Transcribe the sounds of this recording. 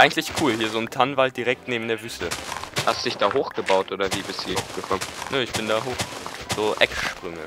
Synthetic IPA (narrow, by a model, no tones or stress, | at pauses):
ʔaɪɡŋ̩tlɪçkʰuːlhiːɐzoːntʰanvalt̚d̥iʁɛk̚tneːbm̩deːɐvyːstəhastudɪçd̥aːɦoːxɡ̥əbaʊtʔoːdɐviːbɪshiːɐfɡ̥əkʰɔmənəɪçb̥ɪndaːɦoːχz̥oːʔɛkʃpʁ̥ʏŋə̰